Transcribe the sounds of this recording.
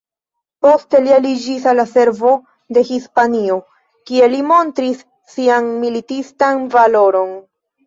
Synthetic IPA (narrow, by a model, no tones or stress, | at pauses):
po̞ste̞lialid͡ʒisalːase̞ɾvo̞ | de̞hispanio̞ | kie̞limo̞ntɾisː | ianmilitistanvalo̞ɾo̞n